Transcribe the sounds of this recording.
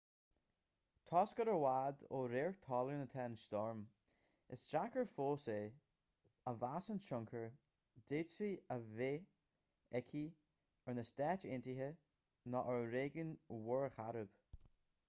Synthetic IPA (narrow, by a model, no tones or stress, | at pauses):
t̪ʰɔːskəɾəɹwaːd̪oːɾeːɹt̪ʰɔːlˠəɹnət̪ʰɛnst̪ɔɹm | ɪsd̥ɾakəɹfoːseː | əvasənʃʊŋkʰəɹ | d̪̥edsiəveː | ɛkʰi | əɹnəst̪ɛːt͡ʃɪntiɦə | nɔʔəɹɾeːɡənwʊɹəxaɾəb̥